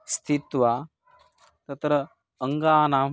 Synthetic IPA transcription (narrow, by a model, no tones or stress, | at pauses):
st̪ʰit̪ʋa | t̪ɐt̪ɾɐ | əŋɡaːnaː